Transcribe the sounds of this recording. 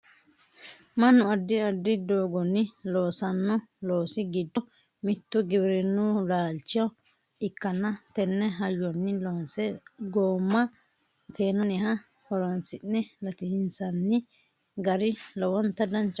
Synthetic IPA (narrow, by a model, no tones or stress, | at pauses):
mɐnːʊɐd̪ːɪɐd̪ːɪd̪oːɡɔnːɪlo̞ːsɐnːɔlo̞ːsɪɡɪd̪ːɔ | mɪt̪ːʊɡɪbɾɛnːʊlaːlt͡ʃːɪjɐ | ɪkːɐnːɐt̪ɛnːɛɦɐjːɔnːɪloːnsɛɡoːmːɐ | keːnɔnɛɦɐ | hɔɾɔnsɪnːɛlɐt̪ɪhɪnsɐnːɪ | ɡɐɾɪlɔwɔnt̪ɐd̪ɐnt͡ʃː